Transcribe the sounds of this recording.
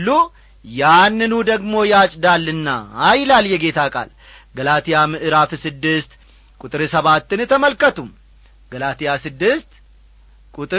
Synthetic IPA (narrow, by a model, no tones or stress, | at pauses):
lːu | janːɨnud̪əɡmo̞jat͡ʃʼd̪alːɨnːa̰ːjlaljɛɡe̞t̪ʰakʼa̰l | ɡəlat̪ʰijamɨʔɨɾafsɨd̪ːɨst̪ | kʼut̪ʼɨɾɨsəβat̪ːɨnɨt̪ʰəməlkət̪um | ɡ̥əlat̪ijasɨd̪ːɨst̪ | kʼut̪ʼɨ